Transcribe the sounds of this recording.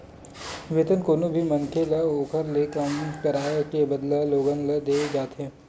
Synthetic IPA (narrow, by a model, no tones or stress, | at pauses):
ʋeːt̪ənkoːnobʱimɐŋkʰelɐoːkʰəɾleːkəmkəɾaːjekebɐd̪laloːɡənlɐd̪eːd͡ʒaːt̪ɦeː